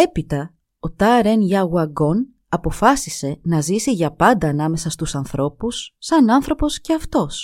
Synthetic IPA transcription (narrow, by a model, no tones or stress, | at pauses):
e̞pit̪ɐ | o̞t̪ɐɾenʝɐɣwɐɡo̞n | ɐpo̞fɐsise̞nɐzisiʝɐpɐnd̪ɐːnɐme̞sɐst̪usɐnθɾo̞pusːɐnɐnθɾo̞po̞sce̞ɐft̪o̞s